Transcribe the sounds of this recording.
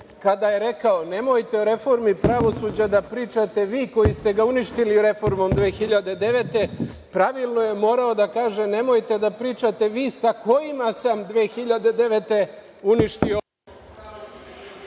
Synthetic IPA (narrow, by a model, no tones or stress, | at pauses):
kad̪aje̞ɾe̞kaone̞mo̞jt̪e̞oɾe̞fo̞ɾmipɾaʋo̞suːd͡ʑad̪apɾiːt͡ʃat̪e̞ʋiːko̞jist̪e̞ɡauniʃt̪iliɾe̞fo̞ɾmo̞md̪ʋe̞ːxiʎad̪e̞d̪e̞ʋet̪e̞ | pɾaʋilˠno̞jemo̞ːɾaod̪akaːʒe̞ne̞mo̞jt̪e̞d̪apɾiːt͡ʃat̪e̞ʋiːsako̞jimasamd̪ʋeːxiʎad̪e̞d̪e̞ʋet̪e̞ | uniʃt̪io